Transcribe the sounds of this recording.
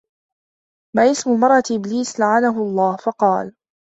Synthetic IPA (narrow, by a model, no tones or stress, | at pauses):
maʔɪsmʊlmɑɾˤʔɑt̪ʔɪbliːslaʕanaɦʊɑlˤːɑːhfɑqɑːl